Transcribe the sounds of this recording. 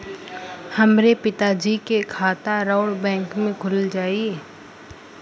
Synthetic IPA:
hɐmɾepɪt̪ad͡ʒikekʰaːt̪aɾɔːɽbɛ̃ːŋkmẽkʰʊld͡ʒaːie

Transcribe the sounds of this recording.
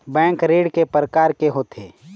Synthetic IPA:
bɛ̃ːŋkɾeːɽkepɾəkaːɾkeɦoːt̪ʰḛː

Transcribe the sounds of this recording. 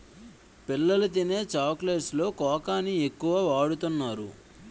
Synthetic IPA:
pilːɐlɐt̪̬ine̞ːt͡ʃaːklɐslo̞ːkɔːkaːniekːuʋaːʋaːɽut̪unːaːɾṵ

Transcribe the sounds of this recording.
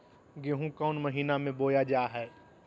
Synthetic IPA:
ɡeɦũkɔːnmɐɦiːnamẽboːjad͡ʒaːɦɛː

